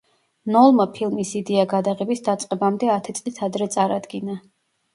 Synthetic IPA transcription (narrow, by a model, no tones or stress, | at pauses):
nɔlˠmapʰilˠmisid̪ɛaɡad̪aʁɛbisd̪at̪sʼqʼɛbamd̪ɛat̪ʰit̪sʼlit̪ʰad̪ɾɛt̪sʼaɾad̪ɡina